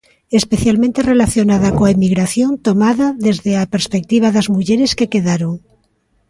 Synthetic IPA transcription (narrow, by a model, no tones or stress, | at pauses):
espeθjalmẽnt̪erelaθjonaðakoaemiɣɾaθjo̞nt̪omaðaðezðeapeɾspek̚t̪iβ̞aðazmuʝeɾeske̞keðaɾoŋ